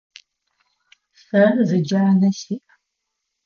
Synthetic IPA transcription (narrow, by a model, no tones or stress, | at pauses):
sɐrzɨd͡ʒaːnɐsiːʔ